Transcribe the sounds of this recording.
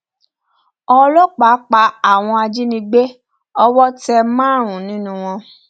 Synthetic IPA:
ɔ˧lɔ˦k͡pa˨˦k͡pa˧a˦˨w̃ɔ̃˧a˧d͡ʒi˦nĩ˧ɡ͡be˦ | ɔ˧wɔ˦tɛ˧mãː˦˨ɾ̃ũ˨nĩ˦nũ˦w̃ɔ̃˧

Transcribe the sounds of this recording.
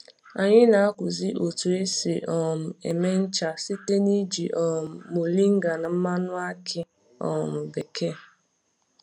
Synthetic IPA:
a˨ɲɪ˦na˨a˦kʷʊ˨zi˦ʔo˨tu˨e˦si˨ʔɔ˨mʊ˨e˨me˦n̩˦t͡ʃa˨si˦te˦ni˦d͡ʒi˨ʔɔ˨m˨mo˨li˦ŋ̩˦ɡa˨na˨m̩˦ma˦nʊ˦a˦kʰɪ˦ | ɔ̰˨mʊ˨be˨ke˦˨

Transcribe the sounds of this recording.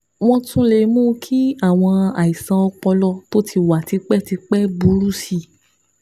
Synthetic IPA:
w̃ɔ̃˧tũ˦le˧˨mũː˦kʰi˦a˦˨w̃ɔ̃˧a̰˨i˨sã˧ɔ˧k͡pɔ˧lɔ˧to˦tʰi˧˨wa˨ti˧k͡pɛ˦ti˧k͡pɛ˦bu˨˦ɾu˦si˦˨

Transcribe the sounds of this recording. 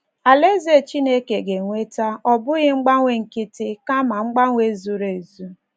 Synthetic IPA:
a˨le˦ze˦˨t͡ʃi˦ne˦ke˨ɡe˨ŋʷe˦ta˦ɔ˦bʊ˦ɣɪ˦ŋ͡m̩˦ɡ͡ba˦ŋʷe˨ŋ̩˨kɪ˦tɪ˦ka˦ma˨ŋ͡m̩˦ɡ͡ba˦ŋʷe˦zu˦ɾe˨zu˦

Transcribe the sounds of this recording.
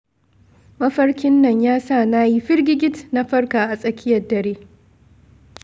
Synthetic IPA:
mɐ˦ɸɐ˦ɽkʲɪ˦nːɐ˨ɲjaː˦saː˦˨naː˦ji˦ɸɪ˦ɽɡʲɪ˦ɡʲɪ˦tna˦ɸɐ˦rkaː˨ʔa˨sʼɐ˨kʲʰɪ˦jɐ˨rdɐ˨ɾeː˦

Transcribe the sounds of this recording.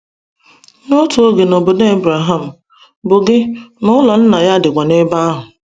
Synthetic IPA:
n˦o˦tu˨o˦ɡe˨no˨bo˨de˦e˦bɾa˨ɦa˦˨m̩˨ | bʊ˨ɡɪ˦nʊ˦lɔ˨n̩˦na˨ja˦dɪ˨ɡʷa˨ne˦ba˦a˦ɦʊ˨

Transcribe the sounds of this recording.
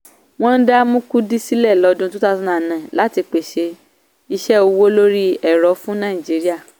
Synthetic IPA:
w̃ɔ̃˦n̩˦da˦mũ˦ku˦di˦si˦lɛ˦˨lɔ˨˧dũ˦tũ˦ta˦˧tũ˦nã˦˨nã˨la˨˦ti˧k͡pe˨ʃe˧ | i˧ʃɛ˦o˧wo˦lo˦ɾi˦ɛ˨ɾɔ˨˦fũ˦nã˦˨i˨d͡ʒi˨˦ɾi˦a˦˨

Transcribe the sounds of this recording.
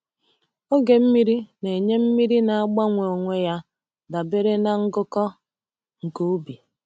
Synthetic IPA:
o˦ɡe˨m̩˦mi˦ɾi˦ne˨ɲe˦m̩˦mi˦ɾi˦na˨a˦ɡ͡ba˦ŋʷe˨o˨ŋʷe˦ja˦ | da˨be˦ɾe˦na˨ŋ̩˦ɡʊ˦kɔ˦ | ŋ̩˨ko˦u˦bi˨

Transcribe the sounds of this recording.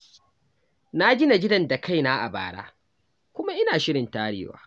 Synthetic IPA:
na˦ɡʲɪ˦na˨ɡʲɪ˦dɐ˨nda˨kʰa˦˨jnaː˦ʔa̰˨ba̰ː˨ɽa̰ː˦ | kʷʊ˦ma˦ʔɪ˦naː˨ʃɪ˦ɽɪ˨ntaː˦ɽɪ̰ː˦wa̰ː˨

